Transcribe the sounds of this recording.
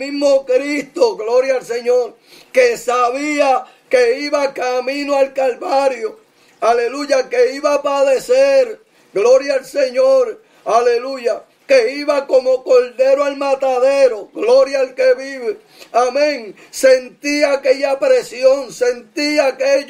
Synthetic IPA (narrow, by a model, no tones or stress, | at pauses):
miɦmo̞kɾist̪o̞ɣlo̞ɾjaːlse̞ɲoɾ | kesaβia | keiβakamĩnoalkalβaɾjo | ale̞luʝakeiβapaðeseɾ | ɡlo̞ɾjaːlseɲoɾ | ale̞luʝa | keiβako̞mo̞ko̞lde̞ɾoalmat̪aðeɾo̞ɡlo̞ɾjaːlkeβiβe | amẽŋ | se̞nt̪iake̞ʝapɾe̞sjo̞ŋse̞nt̪iake